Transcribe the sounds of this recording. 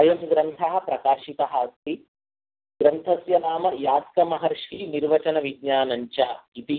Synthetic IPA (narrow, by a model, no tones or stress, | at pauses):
ɐjɐmɡɾɐnt̪ʰɐɦɐ̆pɾɐkaːʃit̪ɐɦast̪i | ɡɾɐnt̪ʰɐsjɐnaːmɐjaːd̪kɐmɐɦɐɾʂiniɾʋɐt͡ʃɐnɐʋiɡɲaːnɐɲt͡ʃɐɐit̪i